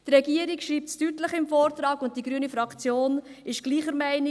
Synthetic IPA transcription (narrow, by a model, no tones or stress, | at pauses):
t̪rɛɡiːəɾikʃɾiːp̚tstytləχɪmfoːrt̪ɾɑːɡʊnt̚tiɡɾyənifɾɑkt͡sjoːnɪʃɡ̥liːχəɾmæɪnɪ